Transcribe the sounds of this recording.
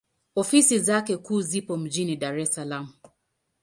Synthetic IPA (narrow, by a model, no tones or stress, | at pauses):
ɔfisizakɛkuːzipɔm̩d͡ʒinidaɾɛsalamu